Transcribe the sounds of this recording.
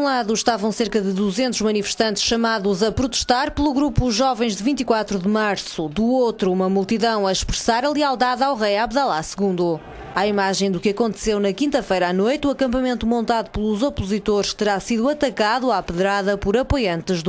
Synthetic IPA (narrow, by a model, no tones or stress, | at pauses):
ũlˠaðuʃt̪avɐ̃w̃seɾkɐðɨðuzẽnt̪uʒmɐnifɨʃt̪ɐ̃nt̪ʃɐmaðuzɐpɾut̪ɨʃt̪aɾpɨlˠuɣɾupuʒɔvɐ̃j̃ʒd̪ɨvĩnt̪ikwat̪ɾuðɨmaɾsud̪uot̪ɾuumɐmulˠt̪iðɐ̃w̃ɐʃpɾɨsaɾɐlˠialˠd̪aðawʁɐjaβðalˠasɨɣũnd̪u | aimaʒɐ̃j̃d̪ukɨɐkõnt̪ɨ̥sewnɐkĩnt̪ɐfɐjɾanojt̪uɐkɐ̃mpɐmẽnt̪umõnt̪aðuplˠuzɔpuzit̪oɾʃt̪ɨɾasiðuɐt̪ɐkaðuapɨðɾaðɐpɔɾɐpojɐ̃nt̪ɨʒð